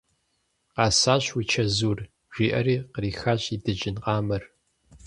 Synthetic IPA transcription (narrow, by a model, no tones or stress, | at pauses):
qɑːsaːɕwit͡ʃʰɐzuːr | ʒʷiːʔɐ̰ɾiːqəriːxaːɕidɨd͡ʒɪnqɑːmɨr